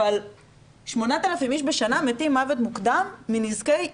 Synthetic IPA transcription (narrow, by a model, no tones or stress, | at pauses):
al | ʃmo̞nat̪alafimiʃbeʃanamet̪imːavet̪mukd̪amːinizkej